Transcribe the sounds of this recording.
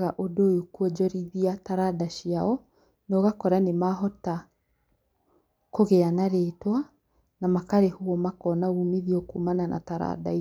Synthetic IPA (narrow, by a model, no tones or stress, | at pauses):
ɣaʔodojokuɔd͡ʒɔɾiðiataɾadaʃiaɔ | nɔɣakɔɾanemaɦɔta | koɣeanaɾetwa | namakaɾehuɔmakɔnaɣuːmiðiɔkuːmanana̰taɾa̰da̰i